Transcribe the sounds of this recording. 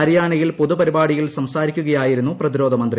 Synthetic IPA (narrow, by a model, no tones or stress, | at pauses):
ɐɾijaːɳɐjilpoðupɐɾibaːɽijilsɐmsaːɾikʲːuɣɐjaːjiɾunːuprɐðiɾo̞ːd̪ɐmɐnd̪ri